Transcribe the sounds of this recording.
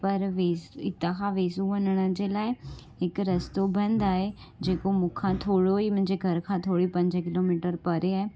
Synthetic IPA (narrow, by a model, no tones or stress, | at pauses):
pəɾʋeːsɪt̪ãkʰãːʋeːsũʋənəɽ̃əd͡ʒeːlaːi | ɪkɾəst̪oːbə̃nd̪aːɦeː | d͡ʒeːkomʊkʰãːt̪ʰoːɽoiːmʊ̃ɲd͡ʒeɡʱəɾkʰãːt̪ʰoːɽiːpə̃ɲd͡ʒkɪloːmiːʈəɾpəɾeaːe